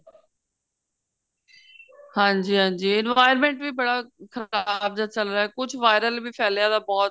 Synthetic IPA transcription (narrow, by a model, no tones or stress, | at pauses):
hãːɲd͡ʒiːɦãːɲd͡ʒiːɪnʋaːɪəɾmẽːɳʈʋiːbəɽaːkʰəaːbd͡ʒaːt͡ʃəlɾaːɛːkʊd͡ʒʰʱʋaːɪɾəlbiːpʰɛːljãːd̪aːbɔːt̪